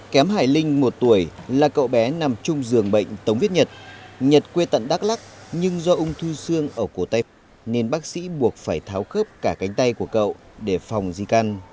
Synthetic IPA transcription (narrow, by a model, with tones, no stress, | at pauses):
kɛ˨˦mɦaː˧˩jlï˧ŋ̟mo˨˩t̚t̪u˧˩əjlaː˨˩kə̰˧˨wɓɛ˨˦na˨˩mt͡ɕʊ˧ŋ͡mzɨ˨˩əŋɓə̰˧˨jŋ̟t̪ə˨˦wŋ͡mvi˦˥t̚ɲə˨˩t̚ɲə˨˩t̚kwe˧t̪ə̰˧˨nɗaː˦˥k̚la˦˥k̚ɲɨ˧ŋzɔ˧ʔʊ˧ŋ͡mt̪ʰu˧sɨ˧əŋʔəː˧˩ko˧˩t̪a˧j | ne˧nɓaː˦˥k̚sḭ˧˥ɓu˨˩ək̚faː˧˩jt̪ʰaː˨˦wxəː˦˥p̚kaː˧˩ka˨˦jŋ̟t̪a˧jku˧˩əkə̰˧˨wɗe˧˩fa˨˩wŋ͡mzi˧ka˧n